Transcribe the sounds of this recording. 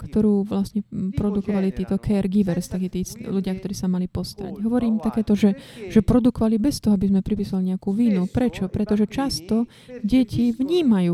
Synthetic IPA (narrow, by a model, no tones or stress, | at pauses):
kt̪ɔɾuːʋlasɲɛpɾɔd̪ukɔʋalit̪iːt̪ɔkʰɛːɾɡiʋɛɾst̪akiːt̪iːluɟɪak̚t̪ɔɾiːsamalipɔst̪aɾa̰ɟɦɔʋɔɾiːmt̪akɛːt̪ɔʒɛʒ̥ɛpɾɔd̪ukɔʋalibɛst̪ɔɦɔabizmɛpɾipiːsʊaliɲɛakuːʋinupɾɛt͡ʃɔpɾɛt̪ɔʒɛt͡ʃast̪ɔ | ɟɛcʰiʋɲiːmajuː